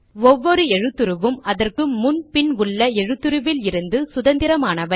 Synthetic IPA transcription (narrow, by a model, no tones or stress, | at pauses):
ɔʋːɔɾɯɛɻɯt̪ːɯɾɯʋɯmɐðɐrkɯːʊnpɪnʊɭːɐɛɻɯt̪ːɯɾɯʋɪlɪɾɯnd̪ɯsʊðɐnd̪ɪɾɐmaːnɐʋɐ